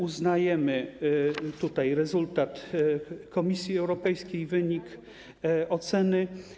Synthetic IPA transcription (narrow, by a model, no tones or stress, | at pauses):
uznajɛmɘ | t̪ut̪ajɾɛzult̪at̪ | kɔmʲisʲjiɛwɾɔpɛjskʲejvɘɲik | ɔt̪sɛnɘ